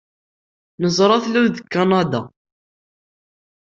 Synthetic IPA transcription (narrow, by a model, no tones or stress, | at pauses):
nəzˤɾˤɑθluwðəkːɑnɑd̪ɑ